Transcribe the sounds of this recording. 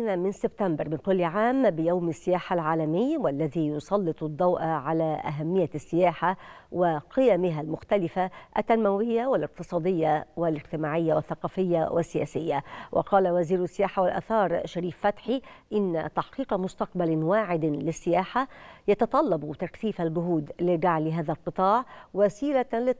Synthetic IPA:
namɪnsɪbt̪ambɑɾˤmɪnkʊlːʕaːmbɪjawmasːɪjaːħalʕaːlamɪjːwalːaðiːjʊsˤɑlːɨt̪ˤd̪ˤːɑwʔaʕalaʔa̰ɦamːɪjːasːɪjaːħawɪqɪjamɪɦalmʊxt̪alɪfaʔat̪ːanmawɪjːawɪlɪq̚t̪ɨsˤɑːd̪ɪjːawɪlɪd͡ʒt̪ɪmaːʕɪjːawɪθːɑqɑːfɪjːawʔɪsːɪjaːsɪjːawʔɑ̰qɑːlawaziːɾsːɪjaːħawɪlʔa̰θɑːɾˤʃaɾiːfːat̪ħiʔɪnːa̰t̪aħqiːqmʊst̪aq̚balwaːʕɪd̪lɪsːɪjaːħajɑt̪ɑt̪ˤɑlːɑbt̪akθiːfalɡʊɦuːd̪lɪɡaʕlɪɦaːðalqɨt̪ˤɑːʕwasiːlalɪ

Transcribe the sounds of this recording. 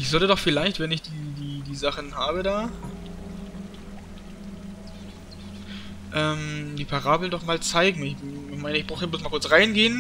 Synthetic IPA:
ʔɪçz̥ɔltədɔχfɪlaɪçtv̥ɛnɪçd̥iːdiːdiːzaχn̩ɦaːbədaː | ʔɛːmdiːpʰaʁaːbl̩ndɔχmaːlt͡saɪɡŋ̩ɪçɪçmaɪnəɪçb̥ʁaʊtəblʊsmaːlkʰʊɐt͡sʁaɪnɡeːən

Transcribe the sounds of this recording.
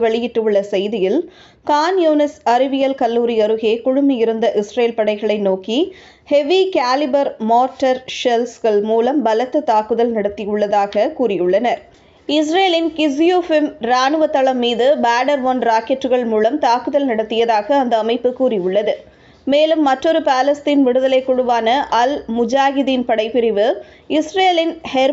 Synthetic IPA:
ʋɛɭɪjɪʈːɯɯɭːɐsɛjðɪjɪl | kaːnjuːnɪsɐɾɪʋɪjɐlkɐlːuːɾɪjɐɾɯɣeːkʊɻʊmɪjɪɾɯnd̪ɐʔɪsɾeːlpɐɽɐɪɣɐɭɐɪnoːki | hɛʋikaːlɪbɐɾmoːɾʈɐɾʂɛlsɣɐɭmuːlɐmbɐlɐt̪ːɯt̪aːkɯðɐlnɐɽɐt̪ːɪjɯɭːɐðaːɣɐkuːɾɪjɯɭːɐnɐɾ | ɪs̬ɾeːlɪnkɪs̬jufɪmɾaːɳɯʋɐt̪ːɐɭɐmːiːðɯbaːɖɐɾʋoːnɾaːkɛʈːɯɣɐɭmuːlɐmt̪aːkɯðɐlnɪɽɐt̪ːɪjɐðaːɣɐːnd̪ɐːmɐɪpːɯkuːɾɪjʊɭːɐðɯ | meːlɯmːɐʈrɔɾɯpaːlɐst̪iːnʋɪɽɯðɐlɐɪkːʊɽɯʋaːnɐʔɐlmʊd͡ʒaːɣɪðinpɐɽɐɪpːɪɾɪʋɯ | ɪsɾeːlɪnhɛɾ

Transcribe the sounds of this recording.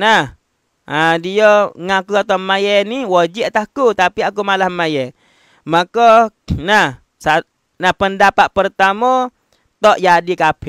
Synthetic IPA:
nah | adiɔŋakuat̪amajɛniwɔd͡ʒiʔt̪ahkut̪apiakumalahmajɛ | makɔnah | sa | nahpəndapat̪̚pərt̪amɔ | t̪ɔʔjadikapʰi

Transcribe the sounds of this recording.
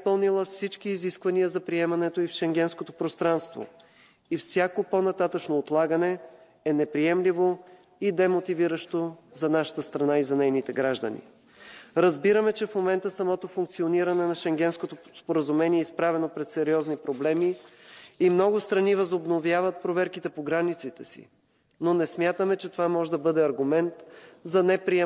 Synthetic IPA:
pəlˠnilˠəfsit͡ʃkiːziskvɐniəzɐpɾiɛmɐnɛt̪oifʃɛŋɡɛnskot̪opɾost̪ɾanst̪vo̰ | ifsʲjakoponɐt̪at̪ət͡ʃnoːt̪lˠaɡənɛ | ɛnɛpɾiɛmlivo | id̪ɛmot̪iviɾəʃt̪ozɐnaʃə̥t̪əst̪ɾɐnaizɐnɛjnit̪ɛɡɾaʒd̪ə̰nḭ | ɾɐzbiɾəmɛt͡ʃɛfmomɛnt̪əsɐmɔt̪ofuŋk̚t̪sioniɾɐnɛnɐʃɛŋɡʲɛnskot̪ospoɾəzumɛniɛispɾavɛnopɾɛt̪sɛɾiɔznipɾoblɛmiː | mnɔɡʊst̪ɾɐnivɐzobnovjavət̪̚pɾovɛɾkit̪ɛpoɡɾanit̪sit̪ɛsḭ | nonɛsmjat̪əmɛt͡ʃɛt̪ovamɔʒɛd̪ɐbɤd̪ɛɐɾɡʊmɛnt̪zɐnɛpɾiɛ

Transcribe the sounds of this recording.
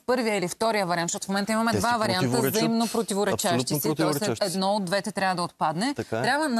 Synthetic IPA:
pɤɾvijəilift̪ɔɾijəvɐɾianʃt̪ɔt̪ofmɛnt̪əimɐmɛd̪vavɐɾiant̪əzɐimnopɾot̪ivoɾɛt͡ʃavʃt̪isɛt̪ɔsɛd̪nɔod̪ːvɛt̪ɛt̪ɾʲavəd̪ɐot̪̚pad̪nɛt̪t̪ɾʲabvən

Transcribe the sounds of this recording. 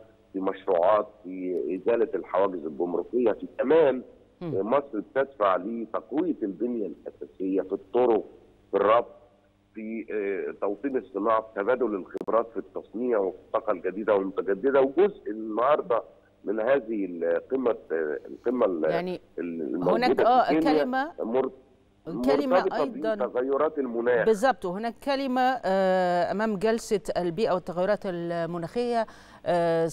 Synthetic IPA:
fimæʃɾuːʕɑːt̪fiʔɪzæːlælħawæːɡɪzelɡʊmɾuqejːæfik̪æmæːn | mɑsˤɾbet̪æd̪faʕliːt̪ɑqwijlb̪ɪnjælʔæsæːsejːæfit̪ˤːoɾoq̚ | firˤːɑb̚t̪̚ˤ | fit̪ɑwt̪ˤiːnesˤːenɑːʕafi̥t̪æbæːd̪olelxebɾˤɑːt̪fit̪ːɑsˤniːʕwefi̥t̪ˤːɑːqɑlɡæd̪iːd̪æwɪlmʊt̪æɡæd̪ːɪd̪æwɡozʔenːhɑɾˤd̪ˤɑ | mɪnhæːzɪhqemːælqemːæljaʕni | lmæwʊnæːuːd̪æʔæːenːjæɪmæmʊɾ | mkæʊlɾɪtmɑbeʔɑˤɑdbiˤɑnæɣæjːoɾˤɑːt̪elmʊnæːxbezzˤːɑb̚t̪ˤwhɪnæːkːælɪmæ | ʔæmæːmɡælsæælbiːʔæwɪt̪ːæɣæjːʊɾɑːt̪ælmʊnæːxɪjːæ

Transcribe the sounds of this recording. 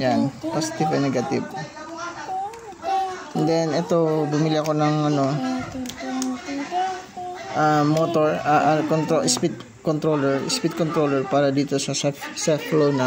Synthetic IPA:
janposɪ̥t̪ibonɛɡɐt̪ɪb̚ | d̪ɛnʔɛt̪obʊmɪlɪɐko̞nɐŋʔɐno̞ | ʔamot̪oɹaʔalkont̪ɾoʔɪspɪt̪̚ | kont̪ɾoːlɛɹɪ̰spɪt̪̚kont̪ɾolɛɹpaːɾɐd̪iːt̪o̞sɐsɛfsɛflownɐ

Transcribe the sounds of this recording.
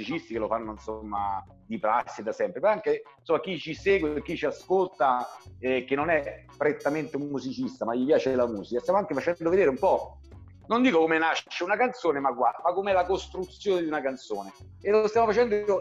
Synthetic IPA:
it͡ʃist̪ikelofanːoinsomːa | d̪ipɾa̰sːid̪asɛmpɾepaŋkensomːak̟it͡ʃiseːɡwek̟ːit͡ʃiaskolt̪aɛk̟ːenːonɛpɾet̪ːament̪eumːuzit͡ʃist̪amaʎipjaːt͡ʃelamuːzikast̪jamoaŋkefat͡ʃɛnd̪oved̪eːɾeumpɔ | nond̪iːkokomenaʃːeunakant̪soːnemakːwamakːomeɛlakost̪ɾut̪sjoːned̪iunakant̪soːne | eloost̪jamofat͡ʃɛnd̪oio

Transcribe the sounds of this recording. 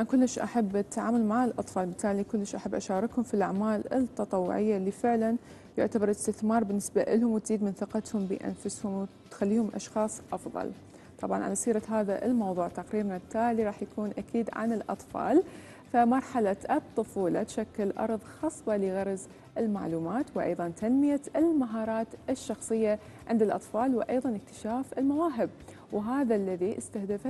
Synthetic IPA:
ankʊlːɪʃʔa̰ħabːʔɪt̪ʰːaʕaːmʊlmaʕɪlʔɑt̪ˤfɑːlbɪt̪ʰːaːlikʊlːɪʃʔaħabːʔaʃaːɾˤɪkhʊmfilʔaʕmaːlɪ̰t̪ːɑt̪ˤɑwːʊ̰ʕɪjːalːifɪʕlan | jʊʕt̪abɑɾˤlɪst̪ɪθmɑːɾˤbɪnːɪsbaʔɪlhʊmwt̪ziːd̪mɪnθɪqɑt̪hʊmbḭʔa̰nfʊshʊmwt̪xalːiːhʊmʔɑ̰ʃxɑːsˤʔɑfðˤɑ̰l | t̪ˤɑbʕɑ̰nʕa̰lasiːɾˤɑɦaːða̰ʔɪlmɑwðˤuːʕt̪aqɾiːɾnat̪ːaːliɾˤɑːħjakuːnʔakiːd̪ʕa̰nɪlʔɑ̰t̪ˤfɑ̰ːl | famɑɾˤħalaʔɨt̪ˤːɨfuːlɑt̪ʃakːɪlʔɑ̰ɾˤðˤxɑːsˤbɑlɪɣɑɾˤz | ʔɪlma̰ʕluːmaːt̪wʔɑ̰jðˤɑnt̪ʰanmɪjaɪlmaɦɑːɾˤɑːt̪ʔɪʃːɑxsˤɨjːa | ʕɪnd̪ɪlʔɑt̪ˤfɑːlwʔɑjðˤɑnɪk̚t̪ɪ̥ʃaːfɪlmawaːɦɪb̚ | wɦaːðalːaðiʔɪst̪ahd̪af

